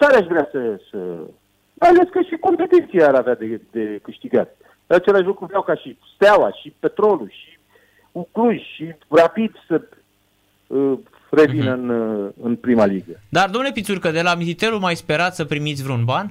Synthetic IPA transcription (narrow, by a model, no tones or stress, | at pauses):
t̪aɾeaʃvɾeasəsə̰ | majale̞skəʃiko̞mpe̞t̪ent̪sijeaɾavead̪e̞d̪e̞kɨʃt̪iɡat̪ | at͡ʃelaʃ̬lukɾuviawkaʃist̪awaʃipe̞t̪ɾo̞luʃi | ukluʒʲʃirapid̪sə | ə | re̞vinəɨnɨnpɾimaliɡəd̪ard̪omnle̞pit̪surkəd̪e̞lamizit̪eɾumajspe̞ɾat̪səpɾimit̪sʲvɾeunban